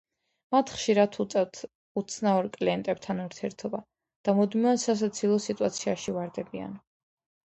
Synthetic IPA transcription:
mat̪ʰχʃiɾat̪ʰut̪sʼɛvt̪ʰ | ut̪sʰnaɔɾkʼliɛnt̪ʼɛb̚t̪ʰanuɾt̪ʰiɛɾt̪ʰɔba | d̪̥amud̪miasas̬at̪sʰilˠɔsit̪ʼuat̪sʰiaʃivaɾd̪ɛbia̰n

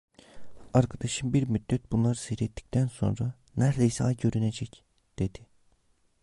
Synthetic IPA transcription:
aɾkʰad̪aʃɯnbiɾmyd̪ːɛt̪̚bunlˠaɾɯsɯɾet̪ʰːi̥ct̪ʰænso̞̰nɾa | næɾd̪eisɛɑjɟø̞ɾyned͡ʒɛc | d̪̥e̞d̪̥i

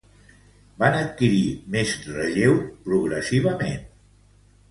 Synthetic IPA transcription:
banət̪̚kiɾimezrəʒewpɾuɣɾəsiβ̞əmḛn

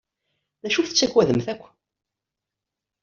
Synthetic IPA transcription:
ðæʃuθət͡sːækwæðəmθækʷː

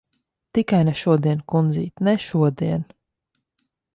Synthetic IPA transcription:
t̪ikajnɛʃuɔd̪iɛnkund̪zḭːt̪nɛʃuɔd̪iɛn

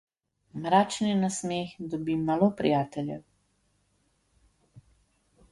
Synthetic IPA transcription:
mɾaːt͡ʃninasmeːxd̪ɔbimalopɾḭjaːt̪ɛljɛ̰w

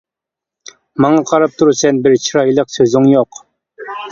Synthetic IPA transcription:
mɑŋɑqʰɑɾɑp̚t̪ʰuɾusɛnbɪɾt͡ʃʰiɾɑjlˠəqsøzɪŋjoq

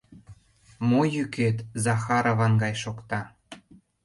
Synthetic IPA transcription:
mojykʰet̪zɑxɑɾovɑnɡɑjʃokt̪ɑ

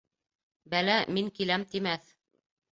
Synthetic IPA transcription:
bælæmiŋkilæmt̪imæθ

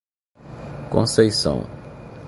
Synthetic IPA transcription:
kõ̰sejsɐ̰̃w̃

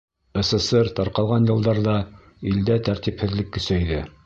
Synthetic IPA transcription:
ĕsĕsɤɾt̪ɑɾqɑlˠʁɑnjɤ̆lˠd̪ɑɾðɑ | ild̪æt̪æɾt̪iphɘ̆ðlɘkːɵ̆sæiðɘ

